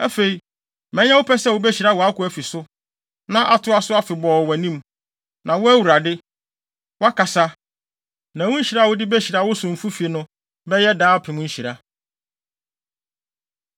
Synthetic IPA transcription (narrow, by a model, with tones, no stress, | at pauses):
æ˦fe˨i˨ | mɛ̃˦ɲ˦ã˦wʊ˦pʰɛ˦sɛ˦˨ʊ˨bɛ˦ɕi˨ɾa˦wɔ˨a˦kʊ˨˦æ˨fi˨sʊ˦ | nã˦ʔa˨tʰʊ˦a˦sʊ˦a˦fɪ˨bɔː˨wɛ˨nĩ˦m | nã˨wʊ˦æ˦wu˨ɾa˨dɪ˦ | wʊ˦a˦ka˨sa˦ | nã˨wʊ̃˦ɲ̩˦ɕi˨ɾa˦˨wʊ˦dɪ˦bɛ˦ɕi˨ɾa˦wʊ˦sʊ̃˨m̩˨fu˦fi˨e˨nʊ̃˦ | bɛ˦jɛ˦daː˦pʰɪ̃˨mʊ̃˦ɲ̩˦ɕi˨ɾa˦